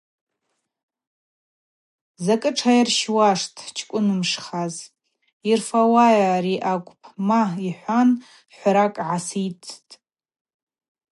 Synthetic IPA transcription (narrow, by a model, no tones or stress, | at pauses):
zakʼɨʈ͡ʂʰajirʃwaʂtʼʰt͡ʃʰkʷʼʊnɨmʂχaz | irfawajaɾiʔakʷʼpʰmaiħʷan | ħʷɾakʼʕasit͡sʰʼtʼ